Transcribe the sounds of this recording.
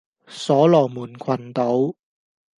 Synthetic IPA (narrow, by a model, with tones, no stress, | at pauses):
sɔː˨˥lɔː˨˩muː˨˩nkʰwɐ˨˩nt̪o˨˥w